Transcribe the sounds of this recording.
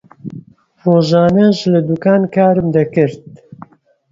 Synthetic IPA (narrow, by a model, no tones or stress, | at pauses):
foːʒaːnɐʃlɨd̪ukaːnkaːɾɨmd̪ɐkɨɾt̪̚